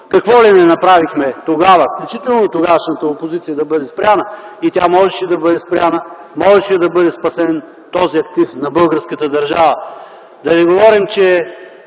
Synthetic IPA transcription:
kɐkvɔlimɛnɐpɾavixmɛt̪oɡavəfklʲut͡ʃit̪ɛlˠnot̪oɡaʃnət̪əopozit̪sijɐd̪ɐbɤd̪ɛspɾʲjʲanəit̪ʲamɔʒɛʃɛd̪ɐbɤd̪ɛspɾʲanə | mɔʒɛʃɛd̪ɐbɤd̪ɛspɐsɛn | t̪ɔziɐk̚t̪ifnɐbɤlˠɡəɾskət̪əd̪ɐɾʒavə | d̪ɐnɛɡovɔɾimt͡ʃɛ

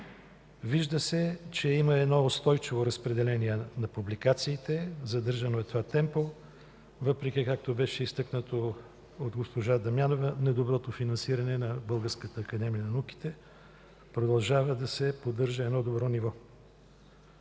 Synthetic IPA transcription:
viʒd̪əsɛt͡ʃɛiməɛd̪nɔost̪ɔjt͡ʃivoɾɐspɾɛd̪ɛlɛniɛnɐpublikat̪siːt̪ɛzɐd̪ɤɾʒɐnoɛt̪ovat̪ɛmpo | vɤpɾɛk̟ikak̚t̪obɛʃɛist̪ɤknət̪o | ot̪ɡospoʒad̪ɐmjanovənɛd̪obɾɔt̪ofinɐnsiɾɐnɛnɐbɤlˠɡəɾskət̪əːkɐd̪ɛmijənɐnuki̥t̪ɛ | pɾod̪ɐlˠʒavəd̪ɐsɛpod̪ɤɾʒəɛd̪nɔd̪obɾɔnivɔ

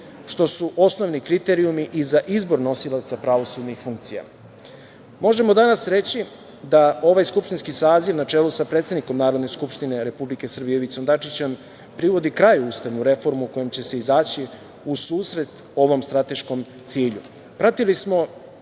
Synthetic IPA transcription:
ʃt̪o̞suʔo̞sno̞ʋnikɾit̪e̞ɾiumiʔizaʔizbo̞ɾno̞silˠat̪sapɾaʋo̞sud̪nixfuŋk̚t̪sija̰ | mo̞ʒe̞mo̞d̪anasɾe̞t͡ɕi | d̪ao̞ʋajskupʃt̪inskisaːziʋnat͡ʂeːlusapɾet̪ed̪niko̞mnaːɾod̪ne̞skupʃt̪ine̞ɾe̞publike̞sər̩bijeʋit̪sond̪at͡ʂit͡ɕe̞m | pɾiʋo̞d̪ikɾajuːst̪aʋnuɾe̞fo̞ɾmuko̞jemt͡ɕe̞se̞izaːt͡ɕi | usuːsɾe̞t̪ | o̞ʋo̞mst̪ɾat̪e̞ʃko̞m | t̪siːʎu | pɾat̪ilismo̞

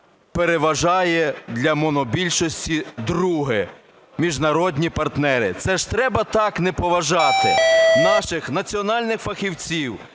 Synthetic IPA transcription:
peɾeʋɐʒɑjɛd̪lʲɐmɔnɔbʲilʲʃɔsʲtʲid̪ɾuɦɪ | mʲiʒnɐɾɔd̪ʲnʲipɐrt̪nɛɾɪ̰t̪sɛʒ̥t̪ɾɛbɐt̪ɑknɛpɔʋɐʒɑt̪ɪnɑʃɪxnɐt͡sʲiɔnɑlʲnɪxfɐxʲiwt͡sʲiw

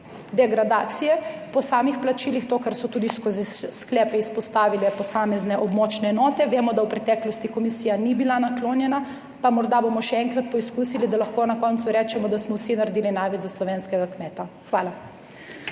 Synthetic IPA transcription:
d̪ɛɡɾad̪aːt̪sijɛpɔsaːmixplat͡ʃiːlixt̪oːkaɾsɔt̪uːd̪iskozisklɛːpɛispɔst̪aːʋilɛpɔsaːmɛznɛʔɔbmɔːt͡ʃnɛːnɔːt̪ɛʋeːmɔd̪awpɾɛt̪ɛklɔst̪ikɔmisiːjanibilanakloːnjɛna | pamɔɾd̪abomɔʃɛɛŋkɾat̪̚pɔiskusilid̪alaxkonakɔnt̪suɾɛːt͡ʃɛmɔd̪asmɔwsinaɾd̪iːlinajʋɛd͡ʒzaslɔʋeːnskɛɡakmɛːt̪axʋaːla

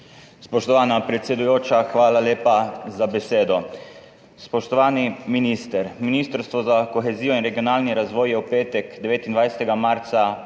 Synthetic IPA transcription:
spɔʃt̪ɔʋaːnapɾɛt̪sʲɛd̪ujoːt͡ʃaxʋaːlaleːpazabɛseːd̪ɔ | spɔʃt̪ɔʋaːniminist̪ɛɾminiːst̪əɾst̪ʋɔzakɔxɛziːjɔinɾɛɡiɔnaːlniɾazʋɔːjjɛwpeːt̪ɛkd̪ɛʋeːt̪ind̪ʋajsɛ̥t̪ɛɡamaɾt̪sa

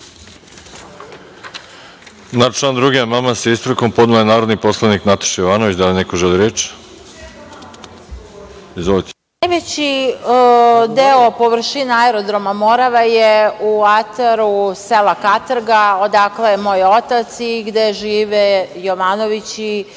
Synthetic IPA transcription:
nat͡ʃland̪ɾuɡijamamaseist̪ɾukompod̪nuenaːɾod̪niposlˠaniknat̪ḁʃjoʋanoʋit͡ɕd̪alinekoʒelˠiɾeːt͡ʃ | izʋolˠit̪e̥najʋet͡ɕi | d̪eopoʋr̩ʃinaaeɾod̪ɾo̞mamo̞ɾaʋajeuat̪aɾuselakat̪r̩ɡao̞d̪aklemo̞ːjo̞t̪at̪siɡd̪eʒiːʋejoʋano̞ʋit͡ɕi

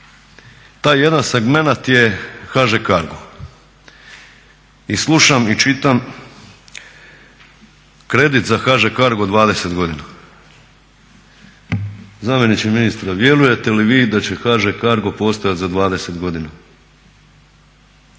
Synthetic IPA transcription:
t̪aːjːe̞d̪anseɡme̞nat̪je̞xaʒekaɾɡo | islˠuʃamit͡ʃit̪am | kɾe̞d̪it̪zaxaʒekaɾɡo̞d̪ʋaːd̪e̞se̞t̪ɡo̞d̪ina | zamje̞nit͡ɕiminist̪ɾaʋje̞luje̞t̪e̞liʋiːd̪at͡ɕe̞xaʒekaɾɡo̞po̞ːst̪ojat̪zad̪ʋaːd̪e̞se̞t̪ɡo̞d̪ina

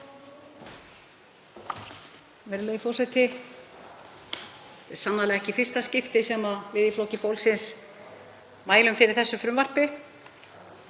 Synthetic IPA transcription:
vɛɾleːjfowsajt̪ɪ | t̪ɛ̥sanːalɛɣɛhcɪfɪr̥st̪ascɪft̪ɪsɛmavɪðiflocɪfowlsɪns | maːjlʏmfɪɾɪɾ̥θɛsːʏfɾʏmvar̥pɪ

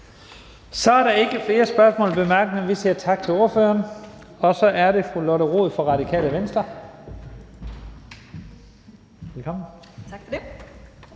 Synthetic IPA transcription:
sɒ̽æɐɾɑ̈e̝ɡ̥əfle̝ːɐsb̥ɶɐsmɔ̰ːlb̥e̝mæɐɡ̥ənəʋisiɐ̰t͡sʰɑ̈ɡ̥̚t͡sʰe̝o̝ɐfø̰ːɐn | ɒ̽sɒ̽ʔæɐɾe̝fʁulɔɾəʁo̝̰ð̩ˠfɒ̽ʁɑ̈ɾikʰɛ̰ːləʋensd̥ʁɐ | ʋelkʰɒ̽m̰n̩

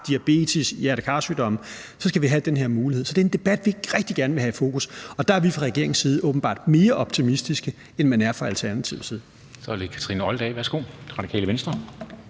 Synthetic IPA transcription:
d̥iæb̥e̝̰ːt͡sʰisjæɐd̥kʰɑ̈ːsyːd̥ɒ̽m | sɒ̽sɡ̥æʋiɦæd̥enɦe̝ɐ̰muːlihe̝ð̰ˠsɒ̽d̥e̝e̝nd̥e̝b̥æd̥ʋi̥ʁɛɡ̥̚d̥iɡ̥æɐnəʋe̝ɦæifo̝̰ːkʰusɒ̽d̥ɑ̈æɐʋifʁɑ̈ʁɛɡ̥e̝ɐeŋnsiːð̞̩ˠɔːb̥n̩b̥ɑ̰̈ːd̥me̝ːɐʔɒ̽b̥̚t͡sʰimisd̥isɡ̥ə | enmænæɐfɒælt͡sʰæɐnæt͡sʰḭʊ̰siːð̩ˠ | sɒd̥ekʰæ̥t͡sʰʁḭnəɒld̥ɛɪʋæɐsɡ̥o̝̰ːʁɑ̈d̥ikʰɛ̰ːləʋensd̥ʁɐ

